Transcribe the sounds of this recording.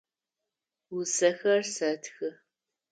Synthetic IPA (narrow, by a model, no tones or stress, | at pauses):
wʊsɐxɐrsɐtxɨ